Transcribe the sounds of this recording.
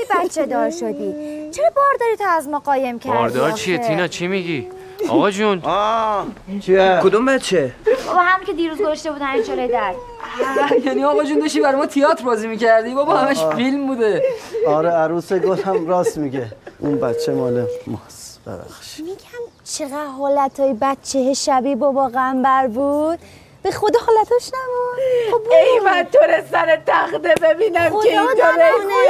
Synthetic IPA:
bæt̪t͡ʃʰːed̪ɒːɾʃod̪i̥ːt͡ʃʰeɾɔbɒːɾd̪ɒːɾit̪ʰoæzmɒːɢɒːjemcʰæɒ̰ɾd̪ɒɾt͡ʃʰiet̪ʰinɒt͡ʃʰimiɡi | ɒ̰ɣɒd͡ʒunː | t͡ʃʰikʰod̪umbæt̪t͡ʃʰːebɒbɒɦæmicʰʲe̞d̪iːɾuːzɡozɔʃt̪e̞buːd̪ænid͡ʒolojed̪æɾs | jæniɒːɣɒːd͡ʒund̪ɒʃt̪ibæɾejmɒːt̪ʰijɒːt̪ʰɾbɒːzimiːcʰæɾd̪ibɒbɒːhæmæʃfilmbuːd̪e̞ɒːɾeæɾuːseɡofæmɾɒːsmiɡeʔṵnbæt͡ʃʰːemɒːnemɒsb̥ḛbæ̰xʃi̥miɡæm | t͡ʃʰeɣæd̪ɦɒːlæt̪ʰɒːjebæt̪t͡ʃʰːeheʃæbibɒvɒːɣeæmbæɾbud̪̥̚ | b̥exod̪ehɒːlæt̪ʰɒʃnæbu | ejmænt̪ʰoɾesæɾet̪ʰæxd̪ebebiːnæmet̪oɾen

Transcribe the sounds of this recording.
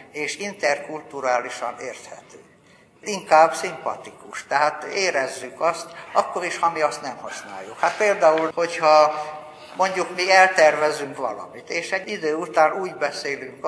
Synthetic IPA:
eːʃint̪ɛrkult̪uɾaːliʃɒ̰neːrt̪hɛ̰t̪øː | iŋkaːbsimpɒ̰t̪ikuʃt̪ɛɦaːt̪eːɾɛzːykɒst̪ɒkːo̞ɾiʃhɒmiɒst̪nɛmhɒsna̰ːjːukhat̪̚peːld̪aːulho̞chɒ | mo̞ɲɟukmiɛlt̪ɛrvɛzyŋkʋɒ̰lɒ̰mit̪eːʃɛɟːid̪øːut̪aːnuːɟbɛseːlyŋk

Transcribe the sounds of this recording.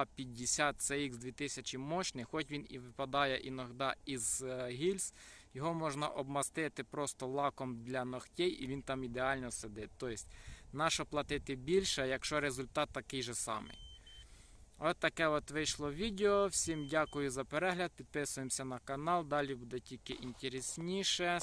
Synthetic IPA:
pʲidʲɪsʲat̪̚sɛiɡzd̪ʲʋʲit̪ɪsʲɐt͡ʃimɔt͡ʃnɪxɔtʲʋʲiniʋɪpɐd̪ɑjɛʔinɔɦd̪ɑizɦʲilʲsjɔɦɔmɔʒnɐ̰ʔɔbmɐst̪ɪt̪ɪpɾɔst̪ɔlˠɑkɔmd̪lʲɐnɔxtʲɛjḭʋʲint̪ɑmid̪eɑlʲnɔsed̪ɪt̪t̪ːɔjɪsʲtʲnɑʃɔplˠɐt̪ɪt̪ɪbʲilʲʃɛjɐkʃt͡ʃɔɾezʊlʲt̪ɑt̪ːɐkɪjʒɛsɑ̰mɪ̰j | ɔt̪ːɐkɛɔt̪ʋɪjʃlˠɔʋʲid̪ʲeɔwsʲimdʲakʊjʊzɐpeɾɛɦlʲɐd̪̚pʲid̪̚pɪsʊjemsʲɐnɐkɐnɑlˠd̪ɑlʲibud̪ɛtʲilʲkɪʔinʲtʲeɾesʲnʲiʃɛ

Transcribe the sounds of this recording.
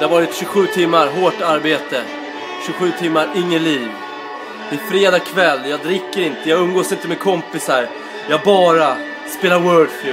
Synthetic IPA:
d̪ɛhaɾvɑːɾɪt̪ɕɵɧʉ̟ːt̪ʰɪmːaɾɦoːʈaɾbeːt̪ə | ɕɵɧʉ̟ːt̪ʰɪmːaɾɪŋːəliːv | mɪnfɾeːd̪ɑːkʰvɛlːjɑːɡd̪ɾɪkːəɾɪnt̪əjɑːɡɵmɡoːsɪnt̪əmɛkʰɔmpɪsaɾ | jɑːɡbɑːɾa | speːlaɾwœːɖflʉː

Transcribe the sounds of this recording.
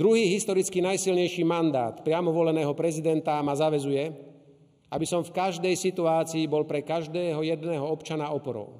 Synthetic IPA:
d̪ɾuɦiːɦist̪ɔɾit͡skinajsilɲɛjʃiːmand̪a̰ːt̪pɾɪamɔʋɔlɛnɛːɦɔpɾɛzid̪ɛnt̪amazaʋɛzujɛ | ʔabisɔmfkaʒd̪ɛjsit̪uaːt͡siːbɔlpɾɛkaʒd̪ɛːɦɔjɛd̪nɛːɦɔɔpt͡ʃanaɔpɔɾɔ̰ʊ

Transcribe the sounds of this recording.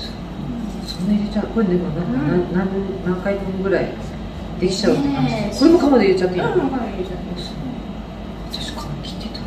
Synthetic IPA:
s | sõnːaiɾet͡ɕaɯkoɾed̪emonãŋananãnnãŋkait̪eŋɡɯ̟ɾai | d̪̥e̞kʲi̥t͡ɕaɯ̟t̪ːekanɕi̥t̪ekoɾemokamad̪eiɾe̞t͡ɕat̪ːeaeat̪ːesne | at̪ḁɕi̥kʰamkʲi̥t̪ːet̪ḁ

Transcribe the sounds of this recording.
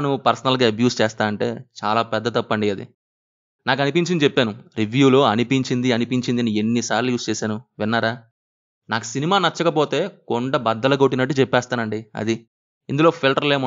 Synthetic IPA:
nupɐɾsɐnɐlɡaːɐbjuːst͡ʃɛːst̪aːnɐɳʈe̞̰ːt͡ʃaːlaːpɛd̪ːɐt̪ɐpːɐɳɖiɐd̪ḭ | naːk̬ɐnipiɲt͡ʃinit͡ʃepːeːnuɾiʋjuːlo̞ːɐnipiɲt͡ʃind̪iɐnipiɲt͡ʃind̪iɐnienːisaːɾlujuːst͡ʃɛːsaːnuʋinːaːɾaː | naːku̥sinimaːnɐt͡ʃːɐkɐpoːt̪e̞ːkoɳɖɐbɐd̪ːɐlɐɡoʈːinɐʈːut͡ʃɛpːɛːst̪aːnɐɳɖiɐ̰d̪i | ind̪ulo̞ːpʰilʈɐɾle̞ːmu

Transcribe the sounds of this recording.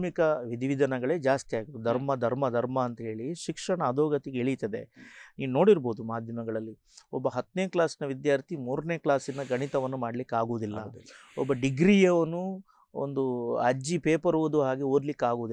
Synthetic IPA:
mikɐʋid̪iʋid̪ʱɐnɐɡɐɭe̞ːd͡ʒaːst̪ijaːɡit̪ud̪ʱɐɾmɐd̪ʱɐɾmɐd̪ʱɐɾmɐːnt̪ɐɦe̞ːɭiʃikʂɐɳɐːd̪ʱoːɡɐt̪iɡeɭit̪ɐd̪e̞̰niːʋuno̞ːɽiɾboːd̪umaːd̪ʱjɐmɐɡɐɭɐlːi | ɔbːɐɦɐt̪ːneːklaːsinɐʋid̪jaːɾt̪ʰimuːɾne̞ːklaːsinːɐɡɐɳit̪ɐʋɐnːumaːɽlikːaːɡuʋud̪ilːɐ̰ɔbːɐɖiɡɾijɐʋɐnːu | o̰nd̪uɐ̰d͡ʒipeːpɐɾuʋud̪uɦaːɡeoːɾlikːaːɡuʋd̪i

